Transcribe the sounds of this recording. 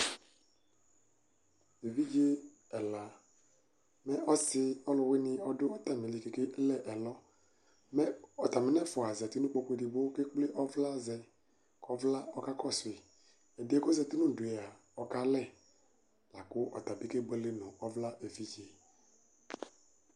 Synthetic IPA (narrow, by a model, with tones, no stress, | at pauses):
e˨vi˦d͡ʒe˦ | ɛ˨la˨ | mɛ˦ʔɔ˦sɪ˦ɔ˦lʊ˨wɪ˦nɪ˦ɔ˦dʊ˦ɔ˦ta˨mi˨li˨ke˨ke˦lɛ˦ʔɛ˨lɔ˦ | mɛ˦ɔ˨ta˨mɪ˨˦nɛ˦fʊ˨a˨zɛ˨ti˦nũ˦k͡po˦kʷe˨di˨bo˦ke˦k͡ple˦ʔɔ˦vla˦˨zɛ˨ | kɔ˦vla˦ɔ˦ka˦kɔ˦˨sʊ˨e˨ | ɛ˨dɛ˦kɔ˦zɛ˨ti˦nu˦˨du˨e˨a˨ | ɔ˨ka˦lɛ˦˨ | la˨kʊ˦ʔɔ̰˨ta˨bi˦ke˦ɡ͡be˦le˦nʊ˨ɔ˦vla˦ʔe˨vi˦d͡ʒe˨